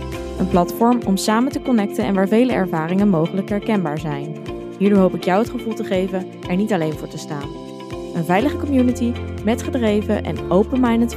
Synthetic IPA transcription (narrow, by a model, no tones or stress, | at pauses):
ənplɑtfɔɹmɔmsaːməntəkɔnɛk̚tənɛ̰nʋaːɹvejləɛ̰ɹvaːrɪŋənmowχələkɦɛɹkɛnbaːɹzɛjn | ɦiːɹdoːɹɦowpɪkjɑwɦətχəvulˠtəχejvən | ʔɛɹnitɑlejnvʊːɹtəstaːn | ənvɛjləχəkɔmjunətimɛtχədrejvəʔɛ̰nowpənmajnət